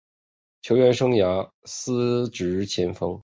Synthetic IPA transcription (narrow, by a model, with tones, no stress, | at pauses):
t͡ɕʰjo˧˥ʊɥɛ˧˥nʂɤ˥ŋja˧˥ | sɹ̩˥ʈ͡ʂɻ̩˧˥˧t͡ɕʰjɛ˧˥nfɤ˧˥ŋ